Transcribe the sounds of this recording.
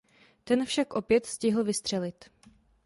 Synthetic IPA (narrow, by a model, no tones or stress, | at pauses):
t̪ɛnfʃakʔo̞pjɛt̪scɪɦl̩vɪst̪r̝̥ɛlɪt̪